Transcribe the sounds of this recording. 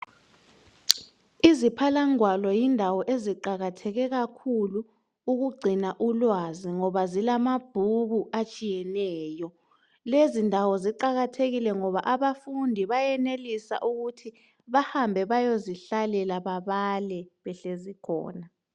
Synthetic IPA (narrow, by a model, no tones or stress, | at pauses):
izipʰalaŋwalɔjindʱawɔʔeziǃaɣatʰɛɣɛɣakʰulu | uɣuɡ͡ǀʱinaʔulwaziŋɔβazilamab̥ʱuɣuʔat͡ʃʼijɛnɛːjɔ | lezindʱawɔziǃaɣatʰeɣilɛŋɔβaʔaβafundʱiβajɛnelisa̰ʔuɣutʰi | βahambʱɛβajoziɬalɛlaβaβalɛβɛɬezikʰɔ̰ːna